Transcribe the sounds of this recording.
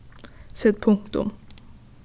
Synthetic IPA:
sɛt̪̚pʰɵŋkt̪ʊ̰m

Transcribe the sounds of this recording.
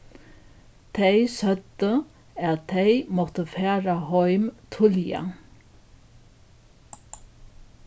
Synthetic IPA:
t̪ʰɛjsœd̪ə | ætt̪ʰːɛɪmɔht̪əfæːɾahɔʏmt̪ʰʊlja̰

